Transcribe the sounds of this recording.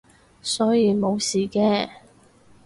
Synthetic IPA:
sɔː˨˥jiː˨˧mo˨˧wsiː˨˩kɛː˧

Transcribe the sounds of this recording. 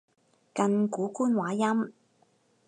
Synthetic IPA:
kɐ˧nkuː˨˥kuː˥nwaː˨˥jɐ˥m

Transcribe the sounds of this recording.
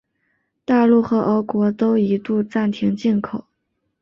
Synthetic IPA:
t̪a˥˧lu˥˩xɤ˧˥ʔə˧˥kwɔ˧˥t̪o˥ʊi˧˥t̪u˥˧ʈ͡ʂa˥˩nt̪ʰi˧˥ŋt͡ɕi˥˩nkʰo˨˩˦ʊ

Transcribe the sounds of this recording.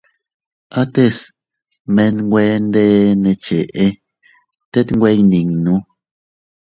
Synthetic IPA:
a˦t̪e˦s | me˧nŋɡʷe˧˦nd̪e˦nẽ˧t͡ʃe˨ʔe˧ | t̪e˦t̪ŋɡʷe˦jni˨ŋnũ˧˦

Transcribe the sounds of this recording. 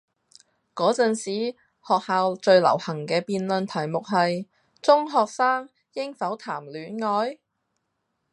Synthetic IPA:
kɔː˨˥t͡sɐ˨nsiː˨˥ | hɔː˨k̚haː˨˧wt͡ʃɵ˧ɥlɐ̰˨˩whɐ˨˩ŋkɛː˧piː˧nlɵ˧nt̪ʰɐ˨˩jmʊ˨k̚ɦɐ˨j | t͡sʊ˥ŋɦɔː˨k̚saː˥ŋ | jɪ˥ŋfɐ˨˥wt̪ʰaː˨˩mlyː˨˥nŋɔː˨˥j

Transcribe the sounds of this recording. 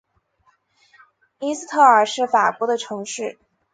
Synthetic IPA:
i˥s̩˥˧t̪ʰɤ˥˩ə˞˨˩ʂɻ̩˥˩fa˨˩kwɔ˧˥d̪ə˧ʈ͡ʂʰɤ˧˥ŋʂɻ̩˥˩

